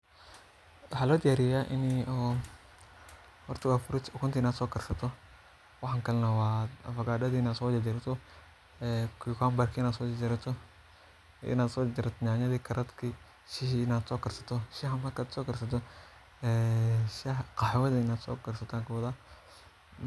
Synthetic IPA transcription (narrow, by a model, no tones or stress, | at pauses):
wɑħɑlɔːd̪ɪjaːɾɪjjaʔɪ̰niɔ | hɔɾt̪ʰɐwafʊɾɪt̪ʰɔkʰʊnt̪ʰɪɪnaːd̪sɔːkɐrsɐt̪ʰɔ | wɑħŋkɐlnɐwaːfɐɡaːɗɐðiɪnaːd̪sɔːɛd͡ʒɪɾɐt̪ʰɔ | ɛkʰkaːmbɐrkʰiɪnaːd̪sɔːd͡ʒɪɾɐt̪ʰɔ | ɪ̰naːd̪sɔːt͡ʃɪɾɐt̪ʰɔɲaːɲɐðiːkʰɐɾʔɐd̪kʰi | ʃɪhnaːd̪sɔːkɐrsɐ̥t̪ʰɔʃɪhamɐrkaːd̪sɔːkɐrsɐt̪ʰɔ | ɛʃɪqɑħɪwɐðiɪnaːd̪sɔ̰ːkɐrsɐt̪ʰaŋkɐwɔða